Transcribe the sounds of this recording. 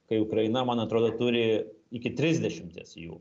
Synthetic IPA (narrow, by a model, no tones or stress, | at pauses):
kɐɪʊkɾɐɪnɐmɐnɐt̪ɾoːd̪oːt̪ʊɾʲɪɪkʲɪt̪ʲɾʲɪzʲd̪ʲɛʃʲɪmʲt̪ʲḛsjṵː